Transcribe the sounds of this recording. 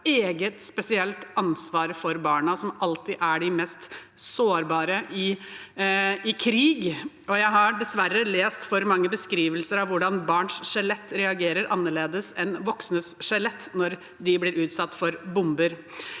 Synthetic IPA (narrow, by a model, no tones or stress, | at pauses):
eːɡət̪spɛsɪɛlt̪ɑnsʋɑːɾfɔɾbɑːɳɑsɔmʔɑlt̪ɪʔæɖɪmɛst̪soːɾbɑːɾəʔɪ | ɪkʰɾiːɡ | ɔjæɪɦɑɖɛsʋæɾːəleːst̪fɔɾmɑŋːəbəskɾiːʋəlsəɾɑʋʋʊɖɑnbɑːɳʂʂɛlɛt̪ːɾɛɑɡeːɾəɾʔɑnːəɭeːd̪əsɛnʋɔksnəsʂɛlɛt̪ːnɔɾ | d̪ɪblɪːɾʉːt̪sɑt̪ːfɔɾbʊmbəɾ